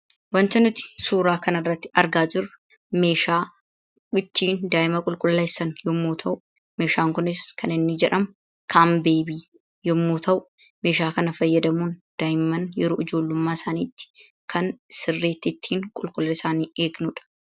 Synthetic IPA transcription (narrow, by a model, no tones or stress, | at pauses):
wɐnt̪ɐnʊt̪ɪ̥suːɾaːkɐnɐrːɐt̪ːɪ̥ɐɾɡaːd͡ʒɪɾʊ | me̞ːʃaː | ɡɪt̪ːiːnd̪aːɪmɐkʼʊlkʼʊlːɐːɪsɐnjɔmːuːt̪ʰɐʔʊ | me̞ːʃaːŋkʊnɪskɐnɪnːɪd͡ʒɛᶑɐm | kʰaːmbeːbiː | jɔmːuːt̪ʰɐʔʊ | me̞ːʃaːkɐnɐfɐjːɐd̪ɐmuːnd̪̥aːjɪmɐnjɛɾoːʔɪd͡ʒo̞ːlːʊmːaːɪsaːniːt̪ːɪ̥ | kʰɐnsɪrːeːt̪ːɪːt̪ʰːiːŋkʼʊlkʼʊlːɐɪsaːniːeːɡnʊᶑɐ̥